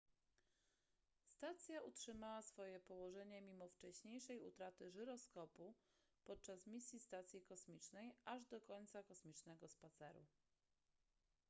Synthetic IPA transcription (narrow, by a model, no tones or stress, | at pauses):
st̪at̪sʲjaʔutʂɘmawasfɔjɛpɔwɔʐɛɲɛmʲimɔft͡ʂɛɕɲejʂɛjṵt̪ɾat̪ɘʐɘɾɔskɔpu | pɔt̪̚t͡ʂasmʲisʲjist̪at̪sʲjikɔsmʲit͡ʂnɛjaʐd̪ɔkɔɲt̪sakɔsmʲit͡ʂnɛɡɔspat̪sɛɾṵ